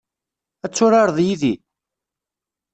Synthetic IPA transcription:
æt͡sːʊɾɑɾˤðˤjiði

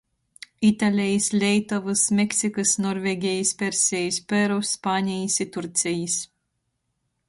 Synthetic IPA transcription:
it̪alʲɛjislʲɛjt̪ɔvɨsmʲɛksʲikɨsnɔɾvʲeɡʲɛjispʲɛɾsʲɛjispʲɛɾɔspaːnʲijisʲit̪uɾt̪sʲɛjisʲ

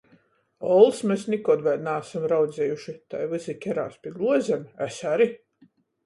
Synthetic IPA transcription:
ɔlˠsmesnʲikɔd̪vɛd̪naːsamɾawd̪zʲɛjuʃit̪a̰jvɨzikʲɛɾaːspʲiɡlˠuɔzʲɛmæsaɾi

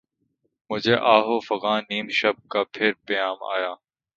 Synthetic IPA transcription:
mʊd͡ʒʱeːʔaːɦoːfəɣãːniːmʃəb̚kaːpʰɪɾpɐjaːma̰ːjaː

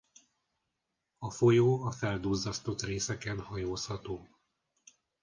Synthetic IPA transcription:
ɒfo̞joːɒfɛld̪uːzːɒst̪ot̪reːsɛkɛnhɒjoːshɒt̪oː

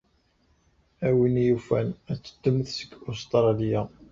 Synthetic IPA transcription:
æwinjufænæt͡sːə̥d̪̥ːəmθsə̥ɡost̪ɾˤɑlija

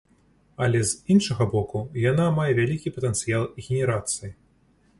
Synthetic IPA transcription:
ɐlʲɛzinʂɐɣɐbɔkujanamajɛvʲalʲikʲipɐt̪ɛnt̪sɨjalˠɣʲenʲɛɾat̪sɨji

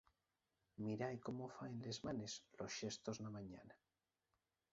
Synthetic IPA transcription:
miɾajkomofaenle̞zmanezlosʃest̪oznamãɲana

